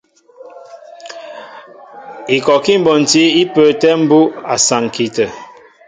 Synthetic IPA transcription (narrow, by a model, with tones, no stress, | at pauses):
i˨kɔ˨ki˦m̩˨bɔ˨n̩˨ti˦i˦pə˨tɛ˦m̩˦bu˦a˨sa˨ŋ˨ki˨tə˨